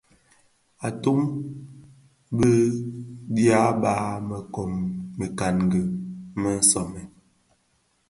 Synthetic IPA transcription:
a˨to˦m | bə˦ | dja˦baː˨˦mə˨kɔ˨mːə˨ka˨nɡə˨mə˦n˦sɔ˨mɛ˨

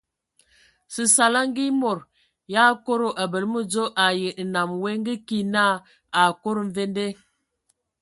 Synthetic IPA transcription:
si˨sa˨la˦ŋ˦ɡi˦mo˨ɾ | ja˦ko˦ɾo˨ʔa˨bə˨lmə˦d͡zo˦ʔa˨jə˨na˨mwe˦ŋ˦ɡi˦ki˦na˦˨ | a˨ko˦ɾo˨ɱ˦ve˦n˦de˦

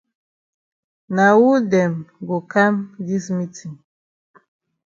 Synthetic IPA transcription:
na˨wu˦dɛ˨mɡo˨ka˦mdi˦smi˦ti˨ŋ

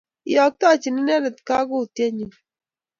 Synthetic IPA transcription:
jɔ˨k̚ta˦˨t͡ʃi˨ni˦nɛ˦nə˨tka˦ɡʊ˦˨tje˦ɲi˨n

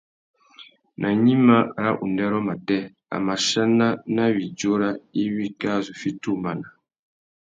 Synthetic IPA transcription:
nʔa˨ɲi˦ma˦˨ɾa˦ʔu˨ndɛ˦ɾɔ˦ma˨tɛ˦ | a̰˨ma˨ʃa˦na˦na˦wi˨d͡ʒo˦ɾa˦i˦wi˦ka˦˨zu˨fi˦tu˦ma˨na˨

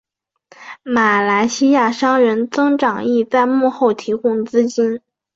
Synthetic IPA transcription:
ma˨˩la˧˥ɪɕi˥ja˥˩ʂɑ˥ŋɥə˧˥nt͡sɤ˥ŋʈ͡ʂɑ˨˩ŋi˥˩˧t͡sa˥˧ɪmu˥˧xo˥˩ʊt̪ʰi˧˥kʊ˥ŋt͡sɹ̩˥t͡ɕi˥n

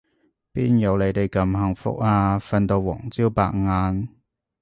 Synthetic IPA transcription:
piː˥njɐ˨˧wle˨˧jt̪e˨˧jkɐ˨˧mhɐ˨˧ŋfʊ̰˥k̚aː˧fɐ˧nt̪o˧wɔ̰ː˨˩ŋt͡siː˥wpa̰ː˧k̚ŋaː˧n

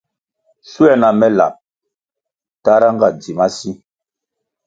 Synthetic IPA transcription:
su˦ɛ˦na˨mɛ˦la̰˨p̚ | ta˦ɾa˦ŋɡa˦˨d͡zi˨ma˦si˦

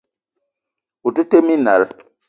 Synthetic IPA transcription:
u˨tɨ˦te˦mi˦na˨ɾɨ˦

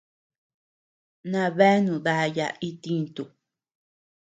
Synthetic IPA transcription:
nã˧βe˦nũ˨ða˧ja̰˧ʔi˦t̪i˧nt̪u˨

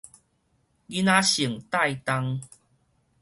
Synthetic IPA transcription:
ɡi˦nã˦ɕi˨˩əŋt̪a˥˧jt̪a˧ŋ

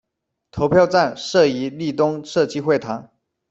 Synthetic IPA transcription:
t̪ʰo˧˥ʊpʰjɑ˥˧ʊʈ͡ʂa˥˧nʂɤ˥˩i˧˥li˥˩t̪ʊ˥ŋʂɤ˥˧˩t͡ɕi˥xwe˥˩ɪt̪ʰɑ˧˥ŋ

